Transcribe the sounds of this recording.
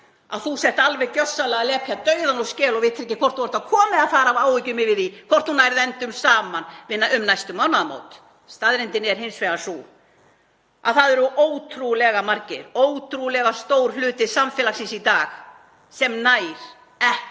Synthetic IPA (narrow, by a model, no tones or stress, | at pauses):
a̰ðθusɛht̪alvɛɣcœsːalɛɣalɛːpʰjat̪œːɥðanɔscɛːlɔɣvɪt̪ɪɾɛc̬ːɪkʰvɔrt̪huvaɾt̪akʰɔːmɪaðfaːɾavaːwvicʏmɪvɪðikʰɔr̥t̪hunaːjɾɪðɛnt̪ʏmsaːmanvɪðnaʏmnajst̪ʏmawnaðamo̰ːwt̪ | st̪aðɾɪnt̪ɪnɛɾ̥ɦɪnsvɛɣasu | a̰θaðɛɾʏʔoːwt̪ʰɾulɛɣamaɾcɪ̰ɾoːwt̪ʰɾulɛɣast̪oːwɾ̥lʏːt̪ɪsamfɛːlaxsɪnsit̪aːx | sɛmnaːjɾ̥ | ɛh